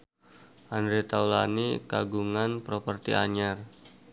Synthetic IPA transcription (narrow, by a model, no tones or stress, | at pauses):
ʔandɾet̪awla̰nika̰ɡuŋanpɾopərt̪iʔaɲar